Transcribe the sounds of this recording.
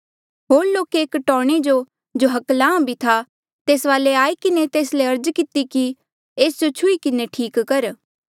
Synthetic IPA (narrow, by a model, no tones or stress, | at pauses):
ɦoːɾloːkeeːkʈɔ̃ːɽ̃ed͡ʒo | d͡ʒoɦɐklãːbʱit̪ʰa | t̪eːsʋaːleaːikɪnet̪eːsleɐɾd͡ʒkɪt̪iki | eːsd͡ʒot͡ʃʰʊikɪneʈʰiːkːɐɾ